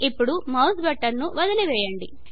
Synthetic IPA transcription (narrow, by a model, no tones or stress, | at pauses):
ipːuɽumɐwsbɐʈːɐɾnuʋɐd̪ɐliʋɛːjɐɳɖi